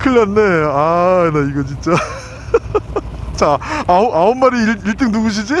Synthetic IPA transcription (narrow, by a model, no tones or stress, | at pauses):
kʰɯɭːanːeaneiɡʌt͡ɕint͡ɕ͈a | t͡ɕaaoaommaɾiɭiɭt͈ɯŋnuɡuɕ̬ʰid͡ʑi